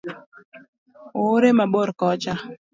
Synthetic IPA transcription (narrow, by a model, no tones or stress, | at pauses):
oɾemaɓoɾkɔt͡ʃa